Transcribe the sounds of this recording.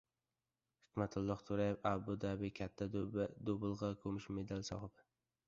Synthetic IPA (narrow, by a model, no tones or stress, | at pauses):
hɪkʲmat̪ʰʊlˠːɒht̪ʰʊɾajbabʊd̪abɪkʲʰat̪ʰːad̪obɨlˠʁɑkʰɵmɪʃmed̪alsɒ̰hɨbɪ